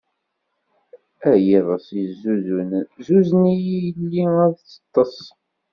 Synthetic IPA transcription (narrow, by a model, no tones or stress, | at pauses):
æjiðˤɑsizːuzunzuznijijəlːiæðt͡sːə̥t̪ˤːɑsˤ